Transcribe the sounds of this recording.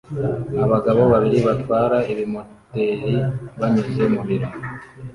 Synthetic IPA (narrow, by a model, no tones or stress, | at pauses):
aβaɡaβo̞βaβiɾiβatwaːɾaiβimo̞te̞ɾiβaɲise̞muβiɾo